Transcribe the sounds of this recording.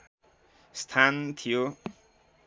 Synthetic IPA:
st̪ʰant̪ʰijo

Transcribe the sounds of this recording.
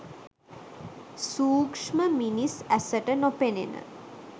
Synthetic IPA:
suːkʂməminisæsəʈənopenḛnə̰

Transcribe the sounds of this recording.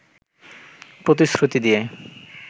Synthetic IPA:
pɾot̪̬isɾut̪id̪ie

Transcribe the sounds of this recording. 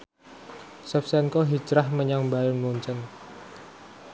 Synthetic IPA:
sɛfsɛnkɔɦi̥d͡ʒɾahməɲaŋmbajʊnmuɲt͡ʃən

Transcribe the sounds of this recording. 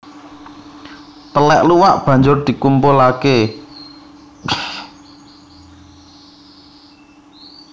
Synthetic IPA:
t̪əlɛʔluwaʔb̥ä̤ɲd͡ʒʊrd̪̥i̤kumpʊlake

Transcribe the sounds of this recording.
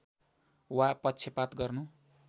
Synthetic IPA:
wapʌtːt͡sʰepat̪ɡʌrnu

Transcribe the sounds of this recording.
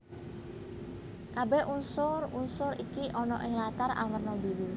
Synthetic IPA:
kabɛhunsʊrunsʊɾikiʔɔnɔ̰ʔɪŋlat̪ara̰wərnɔbiɾu

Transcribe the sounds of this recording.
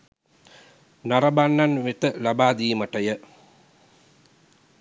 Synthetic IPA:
nɐɾɐbanːanʋet̪əlabaːd̪iːməʈɐjə

